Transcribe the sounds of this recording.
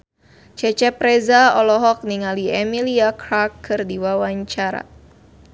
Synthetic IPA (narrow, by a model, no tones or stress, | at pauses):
t͡ʃɛt͡ʃɛpɾɛzaɔlɔɦɔk̚niŋaliɛmiliakɾakːɨrdiwawaɲt͡ʃaɾa̰